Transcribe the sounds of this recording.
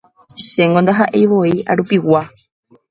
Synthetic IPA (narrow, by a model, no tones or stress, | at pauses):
ʃe̞ŋɡond̪aɦaʔe̞jʋoiaɾupiwa